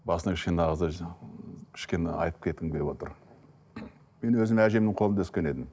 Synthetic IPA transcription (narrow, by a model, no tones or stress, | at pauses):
bɑsənɑkʰʲɪ̥ʃkʲe̞neɑʁəz | kʲʰɪ̥ʃkʲeneɑ̰jt̪əp̚kʲʰe̞t̪ːɪŋbʰʲepwo̞t̪əɾ | me̞nwɵzɪmæʒe̞mnɪɴqʰo̞lˠnʰʏskʲe̞ne̞d̪ɪm